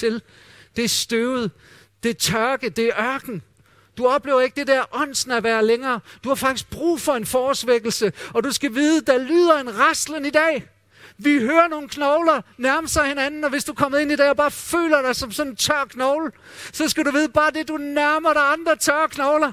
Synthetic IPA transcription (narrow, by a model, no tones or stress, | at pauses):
t͡sʰe̝l | d̥e̝æɐsd̥øʊð̩ˠ | d̥e̝æɐt͡sʰɶɐɡ̥əd̥e̝æɐɶɐɡ̥n̩ | d̥uɒ̽b̥le̝̰ːʊɐe̝ɡ̥̚d̥e̝d̥æɐʔɒ̽n̰sn̩æʋæːɐleŋɐːd̥uhɑ̈fɑ̈ɡ̥d̥isɡ̥̚b̥ʁṵːfɒ̽e̝nfɒːsʋeɡ̥l̩səɒ̽d̥usɡ̥æʋiːðˠəd̥ælyːð̞̰ˠɐe̝nʁɑsd̥lənid̥ɛ̰ː | ʋiɦøːɐno̝ːn̩kʰnɒʊlɐnæɐmsɑ̈ɪhe̝nænn̩ɒ̽ʋe̝sd̥ukʰɒ̽m̰ð̩ˠe̝nid̥ɛ̰ːɒb̥ɑ̈ːfø̰ːlɐɾ̥ɑ̈ɪsɒ̽msɒ̽nt͡sʰɶɐ̰kʰnɒʊl | sɒ̽sɡ̥æɾuʋiːð̞ˠəb̥ɑ̈ːd̥e̝d̥unæɐmɐɾ̥ɑɑ̈nd̥ʁɐt͡sʰɶɐɐkʰnɒʊlɐ